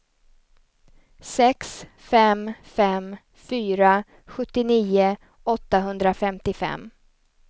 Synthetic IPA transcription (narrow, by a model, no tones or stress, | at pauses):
sɛks | fɛmfɛm | fyːɾa | ɧɵt̪ːɪniːʊ | ʔɔt̪ːaɦɵnd̪ɾafɛmt̪ɪfɛ̰mː